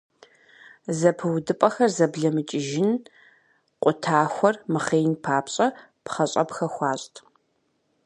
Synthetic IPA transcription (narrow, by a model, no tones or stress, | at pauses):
zɐpʰɨwdɨpʼɐxɐrzɐbɮɐmɨt͡ʃʼɪʒɪn | qʷʼʊtʰaːxʷɔrmɨχeːnpʰaːpʰɕʼɐ | pχɐɕʼɐpxɐxʷɑːɕʼtʰ